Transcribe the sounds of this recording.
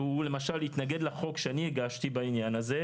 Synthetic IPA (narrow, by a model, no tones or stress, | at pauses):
ule̞maʃalit̪naɡe̞d̪laχo̞kʃeanieɡaʃt̪ibainjanaze